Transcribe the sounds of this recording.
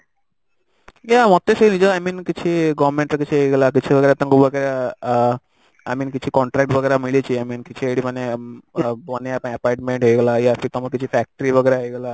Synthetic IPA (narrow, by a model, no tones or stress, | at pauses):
jamɔt̪ːesenid͡ʑəajmiːnkit͡ɕʰiɡɔʋɾmẽɳʈɾəkit͡ɕʰiɦeɡlakit͡ɕʰiʋəɡəɾat̪əŋɡubʋəɡəɾa | a̰jmiːnkit͡ɕʰiːkɔɳʈɾɛk̚ʈʋəɡəjɾamilet͡ɕiːajmiːnkit͡ɕʰieɽiməne | ʋəneapəɳəpajʈmeɳʈɦeɡlajafʰit̪ɔməɾkit͡ɕʰifæk̚ʈəɾiʋəɡəjɾaɦeɡla